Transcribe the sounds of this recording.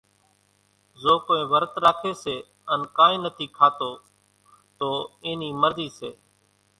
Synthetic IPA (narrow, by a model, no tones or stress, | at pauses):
zoːkoːẽːʋəɾət̪ɾaːkʰeːseː | ənkaːĩːnət̪ʰiːkʰaːt̪oː | t̪oːeːniːməɾziːseː